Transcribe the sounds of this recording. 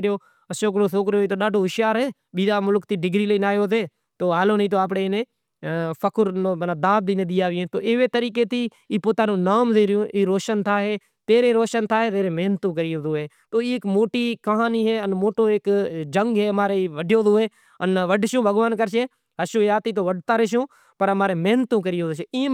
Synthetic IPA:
ɾɪjoː | əʃoːk̬ɾõːsoːkɾjoːiːt̪oːɗaːɖʱoːɦɪʃjaːɾɦeː | ɓiːd̪aːmʊlkt̪iːɖɪɡɾiːləiːnaːjoːzeː | t̪oːaːloːnĩːt̪̬oːaːp̬ɽeːneː | pʰəkʰʊɾnoːnaːd̪aːb̚d̪iːnẽːɗ̪ɪjaːʋɪːẽːt̪oːʔɪʋeːt̪əɾiːkeːt̪iː | iːpoːt̪aːnõːnaːmzẽːɾɪjõːʔiːɾoːʃənt̪ʰaːɦeː | t̪eːɾeːɾoːʃənt̪ʰaːɦeːt̪eːɾeːmeːnt̪ũːkəɾɪjoːd̪õːɦeː | t̪oːiːkmoːʈiːkəɦaːniːɦeːənmoːʈoːeːkd͡ʒəŋɡɦeːmaːɾeʋəɖjoːd̪oːɦeː | ənʋəɖʃõːbʱəɡʋaːnkəɾʃeː | ɦəʃõːjaːt̪iːt̪̬oːʋəɖt̪aːɾeːʃ̬õː | pəɾəmaːɾeːmeːnt̪ũːkəɾɪjoːd̪ʃeːiː

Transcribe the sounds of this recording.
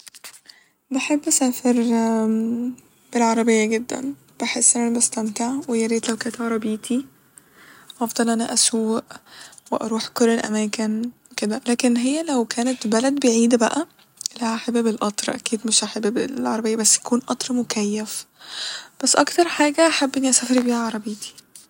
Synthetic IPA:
baħebːʔæsæːfeɾ | b̥elʕɑɾˤɑbejːæɡed̪ːæ̰n | b̥eħesːʔenʔænæbæst̪æmt̪aʕwejæɾeːt̪læwkæːnet̪ʕɑɾˤɑbiːt̪ʰi | ʔɑfd̪̥ˤɑlʔænæʔæsuwːʔweʔɑ̰ɾˤuːħkolːelʔæ̰mæːkenweked̪ælæːkenɦejːælæwkʰæːnet̪bælæd̪beʕiːd̪bæʔæ | læhʔaħabbelʔɑt̪ˤɾˤʔæ̰kiːd̪meʃʔaħabːbeʕɑɾˤɑbejːæbæsːjækuːnʔɑt̪ˤɾˤmokæjːæf | b̥æsːʔɑkt̪ɑɾˤħaːɡæʔaħabːʔenːiʔæsæfɑɾibiːhæʕɑɾˤɑbeːt̪ʰi̥

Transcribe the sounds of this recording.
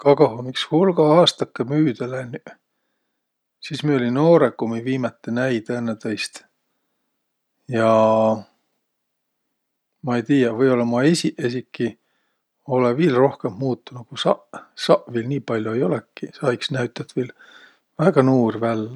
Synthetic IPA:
kɑkɑɦomikshulɡɑɑːst̪ɑkːemyːd̪elenʲy | siːsmiolinno̞ːɾekːomiviːmɑt̪ːˑenæjd̪ænːet̪ɑjst̪ | jɑ | mɑejt̪iːjɑvɤjo̞lːɑmɑesʲiʔes̬ʲikːi | o̞leviːlro̞hke̞mmuːt̪ːunukusɑʔsɑʔviːlniːpɑlʲjoejo̞lekːisɑjksnæɥt̪ːˑɑt̪viːl | væɡ̥ɑnuːrvælː

